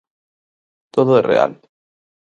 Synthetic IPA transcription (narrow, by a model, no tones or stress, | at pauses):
t̪oðoerḛa̰l